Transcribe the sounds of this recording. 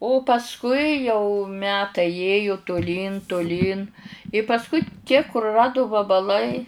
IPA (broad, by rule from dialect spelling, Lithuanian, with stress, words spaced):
oː pɐsˈkʊɪ jɛʊ ˈmʲæːtɐɪ ˈeːjʊ tʊˈlʲiːn tʊˈlʲiːn ɪ pɐsˈkʊɪ tʲiɛ kʊrʊˈrɑːdʊ ʋɐbɐˈlˠɐɪ